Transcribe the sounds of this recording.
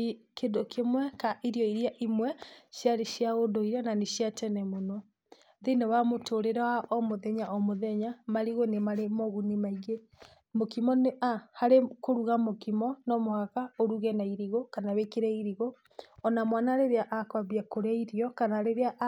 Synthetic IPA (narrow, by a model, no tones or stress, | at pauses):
kedokʰemwɛkaʔiɾijɔiɾiaʔimwɛʃjaɾeʃjaɣodoiɾananeʃjatɛnɛmonɔ | ðenaβamotʰoɾeɾawaʔɔmoðɛɲaʔɔmoðɛɲamaɾiɣonemaɾemɔɣunimaiɣe | mokimɔneahaɾekoɾuɣamokimɔnɔmohaɣaoɾuɣɛnaiɾiɣokanaβekeɾɛiɾiɣo | ɔnamwanaɾeɾeaʔakwaβiakoɾeaiɾjɔkanaɾeɾeaʔ